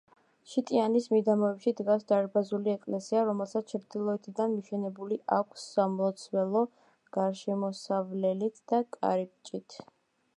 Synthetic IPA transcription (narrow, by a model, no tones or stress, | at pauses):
ʃit̪ʼianismid̪amɔɛpʃid̪ɡasd̪aɾbazuliɛkʼlɛsiaɾɔmɛlˠsat̪st͡ʃʰɾd̪ilˠɔɛt̪ʰid̪anmiʃɛnɛbuliʔakʷʰsːamlˠɔt̪sʰwɛlˠɔ | ɡ̥aɾʃɛmɔsavlɛlit̪ʰd̪̥akʼa̰ɾip̚ʼt͡ʃʼit̪ʰ